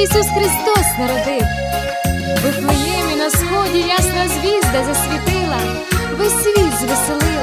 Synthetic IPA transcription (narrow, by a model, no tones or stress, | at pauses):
isusxɾɪst̪ɔsnɐɾɔd̪ɪw | bɪt̪lˠɪjɛmʲinɐsxɔdʲijasnɐzʲʋʲizd̪ɐzɐsʲʋʲit̪ɪlˠɐ | bɪsʲʋʲizʋɪsɪlˠɪl